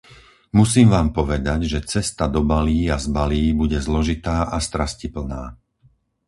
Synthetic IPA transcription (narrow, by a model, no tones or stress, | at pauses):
musiːmʋaːmpɔʋɛd̪aɟʒɛt͡sɛst̪ad̪ɔbaliːazbaliːbuɟɛzlɔʒit̪aːʔast̪ɾascipl̩naː